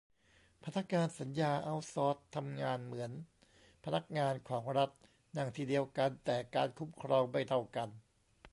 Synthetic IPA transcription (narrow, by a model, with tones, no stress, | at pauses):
pʰa˧na˦˥k̚ŋaː˧nsa˩˦njaː˧ʔa˦˧˩wsɔː˦˥t̪ʰːa˧mŋaː˧nmɯ˩˦ən | pʰa˧na˦˥k̚ŋaː˧nkʰɔː˩˦ŋɾa˦˥t̪̚ | na˨˧˩ŋt̪ʰiː˧˩di˧əwka˧nt̪ɛː˨˩kaː˧nkʰu˦˥mkʰɾɔː˧ŋba˧˩jt̪ʰa˧˩wka˧n